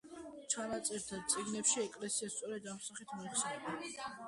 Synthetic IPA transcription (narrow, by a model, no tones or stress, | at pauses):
t͡ʃʰanat̪sʼɛɾt̪ʰad̪̚t̪sʼiɡnɛpʃiɛkʼlɛsiast̪sʼɔɾɛd̪amsaχit̪ʰmɔiχsɛnɛba